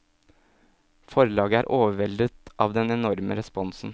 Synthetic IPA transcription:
fɔɾɭɑːɡəæːɾʔoːʋəʋɛld̪ət̪ʔɑːʋd̪ɛnɛnɔɾmə̰ɾɛspɔnsn̩

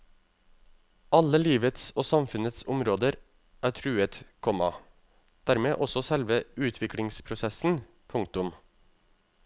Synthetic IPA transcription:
ʔɑləliːʋət̪soːsɑmfʉnət̪sʊmɾoːd̪əɾ | ʔæːʈʰɾʉːət̪kʰɔmɑ | d̪̥æːɾmeːʔɔsɔsɛlʋəʉːt̪ʰʋɪkʰɽɪŋspʰɾʊsɛsn̩ | pʰʊŋk̚t̪ʊm

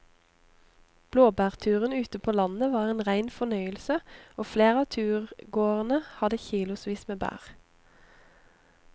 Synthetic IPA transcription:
b̥loːbæːʁt̪ʰʉːʁənʉːt̪əpʰoːlɑnəʋɑːʁeːnʁæɪnfɔnœʏəlsəoːfleːʁɑːt̪ʰʉːʁɡoːʁənəhɑd̪əçiːlʊsʋiːsmeːbæ̰ːʁ

